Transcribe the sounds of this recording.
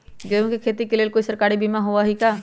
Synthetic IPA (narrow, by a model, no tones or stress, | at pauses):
d͡ʒeõkekʰeːt̪ikeleːlkoːisəɾkaːɾibimãɦoʋaɦikaː